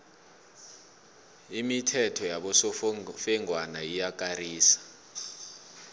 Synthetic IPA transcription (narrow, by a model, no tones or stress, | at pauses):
imitʰɛtʰɔjaɓɔsɔfɛŋʱwanaijak̬ʼariːsḁ